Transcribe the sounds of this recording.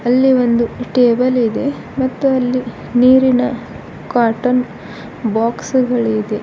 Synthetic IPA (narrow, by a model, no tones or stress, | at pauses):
ɐlːiʋo̞nd̪uʈeːbɐlid̪e̞ | mɐt̪ːuɐlːi | niːɾinɐ | kaːɾʈɐn | baːksɡɐɭid̪e̞